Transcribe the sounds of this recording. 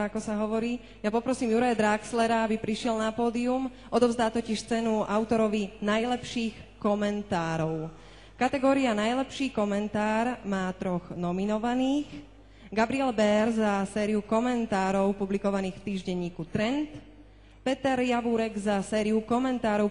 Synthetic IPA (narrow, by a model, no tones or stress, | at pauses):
akɔsaɦɔʋɔɾiː | japɔpɾɔsiːmjuɾajad̪ɾakslɛɾaabipɾiʃɪɛlnapɔːd̪ium | ʔɔd̪ɔvzd̪aːt̪ɔciʃt͡sɛnuaʊt̪ɔɾɔʋinajlɛpʃiːxkɔmɛnt̪aːɾɔʊ | kat̪ɛɡɔːɾianajlɛpʃiːkɔmɛnt̪aːɾmaːt̪ɾɔɣnɔminɔʋaniːx | ɡabɾiɛlbɛɾzasɛːɾiukɔmɛnt̪aːɾɔʊpublikɔʋaniːxft̪iːʒɟɛɲiːkut̪ɾɛnt̪ | pɛt̪ɛɾjaʋuɾɛɡzasɛːɾiukɔmɛnt̪aːɾɔʊ